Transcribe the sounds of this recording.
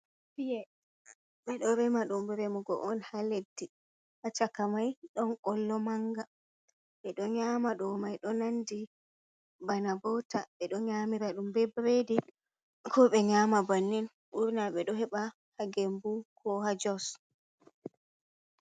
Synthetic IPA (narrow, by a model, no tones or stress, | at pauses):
bijɛ | ɓɛɗɔɾɛmaɗumbɾɛmuɡɔ̰ʔɔnhaledːi | ʔat͡ʃakamajɗɔnkɔlːɔmaŋɡa | ɓɛɗɔɲaːmaɗɔmajɗɔnandi | banabɔtaɓɛɗɔɲamiɾaɗumbɛbɾedi | kʰɔɓɛɲaːmabanːin | ʔuɾnaɓɛɗɔɦɛɓa | haɡembukʰɔhad͡ʒɔs